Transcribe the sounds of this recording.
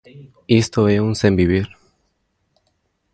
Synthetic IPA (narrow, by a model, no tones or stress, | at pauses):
est̪oesunsembiβiɾ